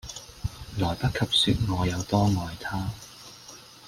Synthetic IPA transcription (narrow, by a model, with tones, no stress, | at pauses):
lɔː˨˩jpɐ˥t̚kʰɐ˨p̚syː˧t̚ŋɔː˨˧jɐ˨˧wt̪ɔː˥ŋɔː˨jt̪ʰaː˥